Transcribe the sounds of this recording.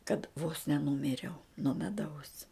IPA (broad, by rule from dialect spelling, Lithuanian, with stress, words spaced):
kɐt ʋoːs nʲɛˈnʊmʲɪrʲɛʊ nuɔ mʲɛˈdɐʊs